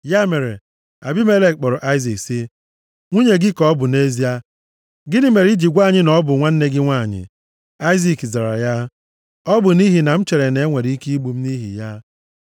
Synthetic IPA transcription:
ja˦me˨ɾe˨ | a̰˨bi˦me˦le˦k̚k͡pɔ˨ɾɔ˨ʔa˦ɪ˦zi˨ksi˦ | ŋʷu˦ɲe˨ɡɪ˦kɔ˦ɔ˦bʊ˨ne˦zi˦a˦ | ɡɪ˦nɪ˦me˨ɾi˦d͡ʒi˨ɡʷa˦˨ɲɪ˦nɔ˦bʊ˨ŋʷa˦n̩˦ne˦ɡɪ˦ŋʷa˦˨ɲɪ̰˨ | a˦ɪ˦zi˨kza˨ɾa̰˨ja˦ | ɔ˦bʊ˨ni˦ɦi˨na˨m̩˦t͡ʃe˨ɾe˨ne˨˦ŋʷe˨ɾi˦ki˦i˦ɡ͡bu˨m̩˦ni˦ɦḭ˨ja˦

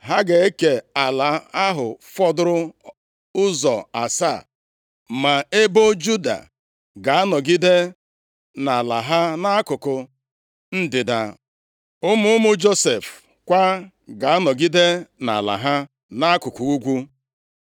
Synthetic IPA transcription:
ɦa˦ɡe˨e˦ke˨a˨la˨˦a˦ɦʊ˨fɔ˦dʊ˦ɾʊ˦ | ʊ˦zɔ˨a˨sa˦˨ | ma˨e˦bo˦d͡ʒu˦da̰˨ | ɡa˨a˦nɔ˨ɡi˦de˦ | na˨la˨ɦa˦na˦a˦kʊ˨kʊ˨ | n̩˦dɪ˨da̰˨ | ʊ˦mʊ˦ʊ˦mʊ˦d͡ʒo˦se˨f | kʷa˦ | ɡa˨a˦nɔ˨ɡi˦de˦na̰˨la̰˨ɦa˦ | na˦kʊ˨kʊ˨u˦ɡʷu˦

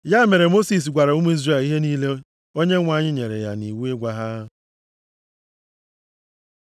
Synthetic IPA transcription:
ja˦me˨ɾe˨mo˦si˨s̬ɡʷa˨ɾa˨u˦mu˦i˦zɾe˦˨li˦ɦe˦niː˦le˦ | o˦ɲe˦ŋʷa˨ɲɪ˦ɲe˨ɾḛ˨ja̰˨ni˨wu˦e˦ɡʷa˦ɦa˦

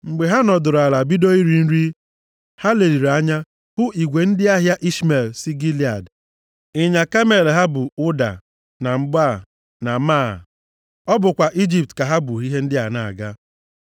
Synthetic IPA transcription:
ŋ͡m̩˨ɡ͡be˨ɦa˦nɔ˨dʊ˨ɾa˨la˨bi˦do˦i˦ɾi˨n̩˦ɾi˦ | ha˦le˨ɾi˨ɾa˦ɲa˦ | hʊ˦ʔi˨ɡʷe˨n̩˦dɪ˦a˦ɦja˦ʔi˦sme˨lsi˦ɡi˦li˨a̰˨d | ɪ˦ɲa˨ka˦me˨lɦa˦bʊ˨ʊ˦da̰˨ | na˨m̩˦ba˦˨ | na˨ma˦˨ | ɔ˦bʊ˨kʷa˨ʔi˦d͡ʒi˨p̚tka˨ɦa˦bʊ˨i˦ɦe˦n̩˦dɪ˦a˨na˨a̰˨ɡa˦

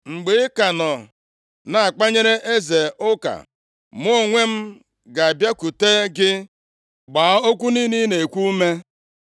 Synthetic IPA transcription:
ŋ͡m̩˨ɡ͡be˨˦ka˨nɔ˨ | na˨a˨k͡pa˦ɲe˦ɾe˦ʔe˦ze˨ʊ˦ka̰˨ | mʊ˦˨ŋʷe˦m̩˦ | ɡa˨a˨bja˦ku˨teː˦ɡɪ˦ | ɡ͡baː˨˦o˦kʷu˦ni˦ni˦ne˨kʷu˦me˦

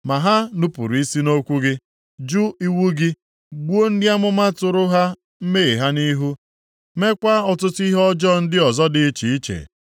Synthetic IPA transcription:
ma˨ɦa˦nʊ˦pṵ˨ɾi˦si˦no˦kʷu˦ɡɪ˦ | d͡ʒu˦i˦wu˦ɡɪ˦ | ɡ͡bu˦o˦n̩˦dja˦mʊ˦ma˦tʊ˨ɾʊ˦ɦa˦ | m̩˦me˦i˨ɦa˦ni˦ɦu˦ | me˦kʷa˦ɔ˨tʊ˦tʊ˦i˦ɦɔ˦d͡ʒɔ˦˨n̩˦dɪ˦ɔ˨zɔ˦dɪ˨˦t͡ʃi˨i˦t͡ʃḛ˨

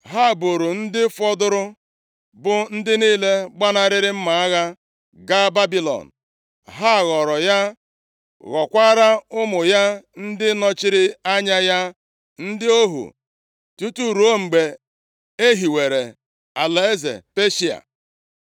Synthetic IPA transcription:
ɦa˦˨bo˨ɾʊ˨n̩˦dɪ˦fɔ˦dʊ˦ɾʊ˦ | bʊ˨n̩˦dɪ˦niː˦le˦ɡ͡ba˦na˦ɾɪ˦ɾɪ˦m̩˦ma˨a˦ɣa˦ | ɡa˦ba˦bi˦lɔ̰˨n̩˨ | ɦa˦˨ɣɔ˨ɾɔ˨ja˦ | ɣɔ˨kʷa˦ɾa˦ʊ˦mʊ˨ja˦n̩˦dɪ˦nɔ˦t͡ʃɪ˦ɾɪ˦a˦ɲa˦ja˦ | n̩˦dɪ˦o˦ɦṵ˨ | tu˦tu˦ɾo˦ŋ͡m̩˨ɡ͡be˨ | e˦ɦi˨we˨ɾḛ˨ | a˨la˨e˦zḛ˨pe˦ʃi˨a̰˨

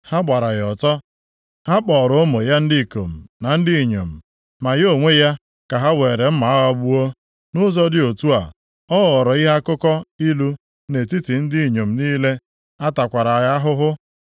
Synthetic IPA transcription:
ha˦ɡ͡ba˨ɾa˨ɣɔ˨tɔ˦ | ha˦k͡pɔː˨ɾɔ˦mo˨ja˦n̩˦dɪ˦˨ko̰˨m̩˨na˨n̩˦dɪ˦i˨ɲo̰˨m̩˨ | ma˨jo˦ŋʷe˦ja˦ | ka˨ɦa˦we˨ɾe˨m̩˦ma˨a˦ɣɔ˦bu˦o˦ | nʊ˦zɔ˦dɪ˦o˨tu˦a̰˨ | ɔ˦ɣɔ˨ɾɔ˨i˦ɦa˦kʊ˦kɔ˦i˦lu˦ | ne˨ti˦ti˨n̩˦dɪ˦i˨ɲo˨m̩˨niː˦le˦ | a˦ta˨kʷa˨ɾa˨ja˦a˦ɦʊ˦ɦʊ˦

